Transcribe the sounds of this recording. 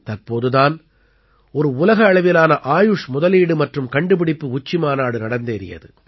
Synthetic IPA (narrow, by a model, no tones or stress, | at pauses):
t̪ɐrpoːðɯðaːn | ɔɾɯʊlɐɣɐːɭɐʋɪlaːnɐʔaːjʊʂmʊðɐliːɽɯmɐʈrɯmkɐɳɖɯpɪɽɪpːɯʊt͡ʃːɪmaːnaːɽɯnɐɽɐnd̪eːɾɪ̰jɐ̰ðɯ